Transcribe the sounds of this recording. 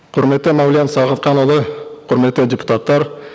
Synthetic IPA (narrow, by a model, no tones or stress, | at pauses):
qʰʊɾme̞t̪ːɪmawlʲijɑnsɑʁət̪̚qɑnwolˠəqʰʊɾme̞t̪ːɪdʲepu̥t̪at̪ːɑɾ